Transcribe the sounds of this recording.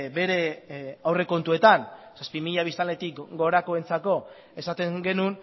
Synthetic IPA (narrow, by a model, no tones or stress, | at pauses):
be̞ɾe̞awre̞ko̞nt̪ue̞t̪an | saspimiʎaβist̪ale̞t̪ikɡo̞ɾako̞e̞nt͡sako̞ | e̞sat̪e̞ŋɡe̞nun